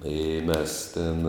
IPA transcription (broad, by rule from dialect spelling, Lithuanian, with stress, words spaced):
ˈɪ ˈmʲɛs ˈtʲɛn